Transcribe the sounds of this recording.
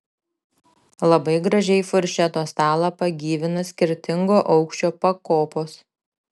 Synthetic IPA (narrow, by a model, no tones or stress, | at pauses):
lˠɐbɐɪɡɾɐʒʲɛɪfʊɾʲʃʲɛt̪oːst̪ɑːlˠɐpɐɡʲiːʋʲɪnɐsʲkʲɪɾʲt̪ʲɪŋɡoːʔɒʊkʃʲt͡ʃʲoːpɐkoːpoːs